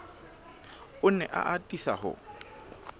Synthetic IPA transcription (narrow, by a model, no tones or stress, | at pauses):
ʊnɛʔa̰ʔatʼisa̰hʊ̰